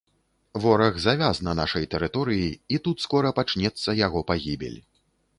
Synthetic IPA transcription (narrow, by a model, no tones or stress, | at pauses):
vɔɾɐɣzavʲaznɐnaʂɐjt̪ɛɾɨt̪ɔɾɨjiit̪ut̪skɔɾɐpat͡ʂnʲɛt̪sːɐjaɣɔpaɣʲibʲɛ̰lʲ